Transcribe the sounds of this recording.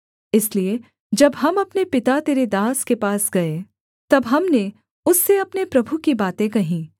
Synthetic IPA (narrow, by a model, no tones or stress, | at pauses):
ɪslie | d͡ʒɐbɦɐmɐpnepɪt̪at̪eːɾed̪aːskepaːsɡɐe | t̪ɐbɦɐmne | ʊsːeɐpnepɾɐbʱukibaːt̪ẽkɐɦĩː